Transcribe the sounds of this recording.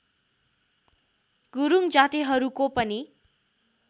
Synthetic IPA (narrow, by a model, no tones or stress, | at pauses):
ɡuɾuŋd͡zat̪iɦʌɾukopʌni